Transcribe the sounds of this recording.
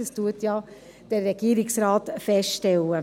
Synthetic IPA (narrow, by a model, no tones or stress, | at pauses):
əstuətjɑ | d̥ɛrːɛɡ̥iːɾɪksɾaːtfɛstʃtɛlə